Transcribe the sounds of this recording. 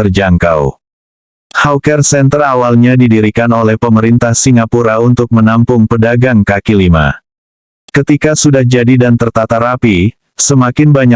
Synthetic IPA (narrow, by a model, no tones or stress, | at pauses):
ərd͡ʒaŋkaw | hawkɛrsɛnt̪ərawalɲadidiɾikanolɛhpəməɾint̪ahsiŋapuɾaunt̪ʊk̚mənampʊŋpədaɡaŋkakilima̰ | kət̪ikasudahd͡ʒadidant̪ərt̪at̪aɾapi | səmakɪnbaɲa